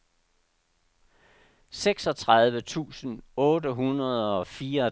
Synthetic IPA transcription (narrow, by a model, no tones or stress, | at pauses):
seɡ̥sɒ̽t͡sʰʁɑð̞ˠʋət͡sʰṵːsən̩ɔːdəɦunɐð̞ˠɒ̽fiːɐ